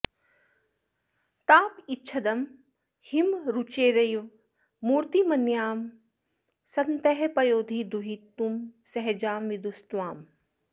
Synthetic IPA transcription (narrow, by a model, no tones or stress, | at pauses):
t̪aːpitːʃʰɐd̪ɐm | himɾut͡ʃeːɾɐjʋː | uːɾt̪imɐnjaːm | sɐnt̪ɐɦpɐjoːd̪ʱid̪uɦit̪ːumsɐɦd͡ʒaːmʋid̪ust̪ʋaːm